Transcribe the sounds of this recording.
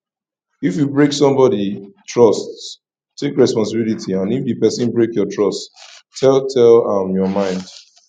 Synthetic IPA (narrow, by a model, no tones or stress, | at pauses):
ifjubɹeksɔ̃mbɔditʰɹɔstːʰ | ekɹɛspɔ̃ns̬ɪbilitʰiãnifdɨpɛsɪ̃nbɹekjɔtʰɹɔst | tʰːɛltʰɛlamjɔmãɪ̃nd̥